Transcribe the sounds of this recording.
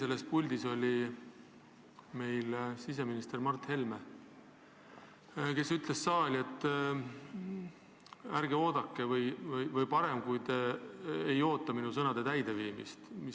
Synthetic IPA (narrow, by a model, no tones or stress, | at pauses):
se̞lːe̞spulʲd̪̥iso̞lʲi | me̞jlsis̬e̞minist̪ermɑrt̪he̞lme | ke̞syt̪ˑle̞sːɑːlʲe̞t̪ːˑ | æɾɡeo̞ːd̪̥ɑkːe̞vɤjvɤjvɤjpɑɾe̞mkujd̪̥ | ejo̞ːt̪ːˑɑminusɤ̞nɑd̪e̞t̪æjd̪̥e̞viːmḭst̪mi